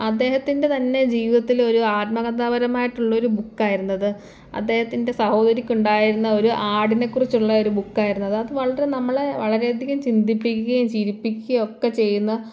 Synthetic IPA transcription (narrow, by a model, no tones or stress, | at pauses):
ɐd̪ːe̞ːhɐt̪ːinde̞t̪ɐnːe̞d͡ʑiːʋiðɐt̪ːilo̞ɾuaːt̪̚mɐɡɐnt̪ːaːbɐɾɐmaːjiʈːuɭːɐo̞ɾubukːaːjiɾunːɐðɨ | ɐ̰d̪ːe̞ːhɐt̪ːinde̞sɐho̞ːd̪ɐɾikʲːuɳɖaːjiɾunːɐo̞ɾuʔaːɖine̞kːurit͡ɕːuɭːɐo̞ɾubukːaːjiɾunːɐðɨɐðɨʋɐɭɐɾe̞nɐmːɐɭe̞ʋɐɭɐɾe̞ɐd̪ʱiɣɐmt͡ɕind̪ipːikʲːuɣɐjumt͡ɕiɾipːikʲːuɣɐo̞kːe̞t͡ɕe̞jːunːɐ